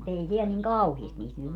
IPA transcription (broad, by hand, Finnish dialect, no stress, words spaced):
mut ei siɛl niŋ kɑuhiest niːt nyt